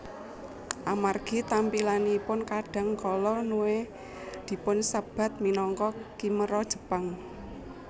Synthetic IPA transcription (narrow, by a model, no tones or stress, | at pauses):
ʔamarɡ̥i̤t̪ampilaniːpʊnkaɖ̥a̤ŋkɔlɔnuwe | d̪̥i̤pʊnsəb̥a̤t̪̚minɔŋkɔkiməɾɔd̥ʒ̥ə̤paŋ